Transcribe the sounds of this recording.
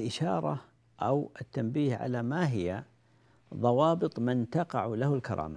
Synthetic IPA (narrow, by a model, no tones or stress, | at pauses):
lʔɪʃɑːɾˤɑ | ʔawɪt̪ːambiːhʕa̰lamaɦɪja | ðˤɑwɑːbɨt̪ˤmʊnt̪ɑqɑʕulahʊlkɑɾˤɑ̰ːma